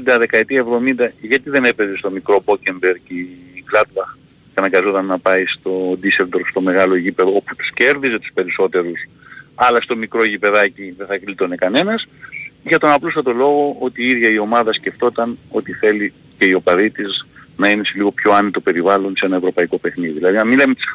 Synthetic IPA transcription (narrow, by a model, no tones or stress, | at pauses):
d̪ɐðe̞kɐet̪iɐe̞vðo̞mind̪ɐʝɐt̪iðe̞ne̞pe̞zest̪o̞mikɾo̞bo̞ce̞mbe̞ɾkiɡlɐd̪̚bɐx | ceɐnɐŋɡɐzo̞t̪ɐnːɐpɐist̪o̞d̪iseld̪o̞ɾst̪o̞me̞ɣɐlo̞eʝipe̞ðo̞opu̥t̪u̥sce̞ɾðize̞t̪u̥spe̞ɾiso̞t̪e̞ɾus | ɐlɐst̪o̞mikɾo̞eʝipe̞ðɐciðeθɐklit̪o̞nekɐne̞nɐsʝɐt̪o̞nɐplus̬ɐt̪o̞lo̞ɣo̞ʔo̞t̪iiðʝɐio̞mɐðɐsce̞ft̪o̞t̪ɐno̞t̪iθe̞li | ce̞io̞pɐðit̪iznɐine̞seliɣo̞pço̞ɐnit̪o̞pe̞ɾivɐlo̞nsee̞nɐe̞vɾo̞pɐiko̞pe̞xniðiðilɐðinɐmilɐmet̪i̥s